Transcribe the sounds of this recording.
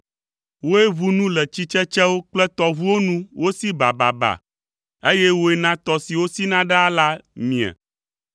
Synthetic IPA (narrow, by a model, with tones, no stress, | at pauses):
wo˦e˦βu˦nũ˦lɛ˨t͡ɕi˦t͡ʃɛ˦t͡ʃɛ˦wo˦k͡plɛ˦t̪ɔ˦vu˦wo˦nũ˦wo˦si˦ba˨ba̰˨ba̰˨ | e˦jɛ˦wo˦e˦nã˦t̪ɔ˦si˨wo˦si˦nã˦ɖa˦a˦la˦mĩ˨a̰˨